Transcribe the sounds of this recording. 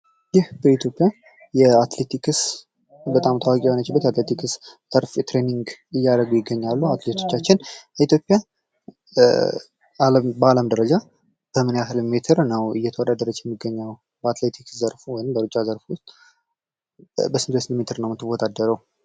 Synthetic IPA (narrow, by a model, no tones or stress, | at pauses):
jɪhbəit̪ʰjo̞pʼija | jɛat̪let̪ʰikʰɨs | bət̪ʼamt̪ʰawakʼionət͡ʃːɪbːət̪at̪let̪ʰikʰɨs | əɾft̪ɾeniŋɡɨjːaɾəɡujɪɡːəɲːalːuat̪let̪ʰo̞t͡ʃːat͡ʃːɪnəit̪ʰjo̞pʼːija | ləmbəaləmd̪əɾəd͡ʒa | b̥əmɨnjaɦɨlmet̪ʰɨɾnəwɨ̰jɛt̪ʰəwɔd̪ad̪əɾəd͡ʒajɛmːiɡːəɲːaw | bəat̪let̪ʰikszəɾfuwɔjɪmbəɾɨt͡ʃʼːazəɾfʊst̪ʼ | bəsɨnt̪esɨnd̪met̪ʰɨɾnəwmɨt̪ːɨbot̪ʼad̪ːəɾəw